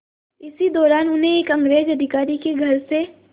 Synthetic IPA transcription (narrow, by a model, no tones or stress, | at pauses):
ɪsid̪ɔːɾaːnʊnɦẽeːkɐ̃ŋɡɾeːd͡ʒɐd̪ʱɪkaːɾikeɡʱɐɾse